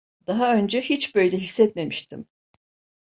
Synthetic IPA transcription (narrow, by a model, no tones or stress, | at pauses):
d̪̥aɦaø̞nd͡ʒɛhit͡ʃbø̞jlʲɛɦisːɛt̪̚me̞miʃt̪ʰḭm